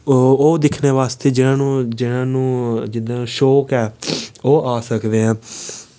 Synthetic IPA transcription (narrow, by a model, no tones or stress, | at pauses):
oːd̪ɪkʰneːʋaːst̪eːd͡ʒɪnãːnũːd͡ʒɪnãːnũːd͡ʒɪd̪ãːnũːʃoːkɛːoːʔaːsəkd̪eːɛ̃ː